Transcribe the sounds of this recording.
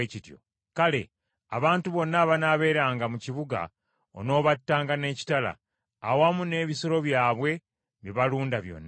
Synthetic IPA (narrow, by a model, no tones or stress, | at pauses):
ecitjo̰ | kale̞ | a̰βaːntuβo̞nːaβanaːβe̞ːɾaːŋɡamuciβuɡa̰ | o̞̰no̞ːβatːaːŋɡane̞ːci̥tala̰ː | wamune̞ːβisoɾo̞βjaːβwe̞ | βiβaluːndaβjo̞̰nːa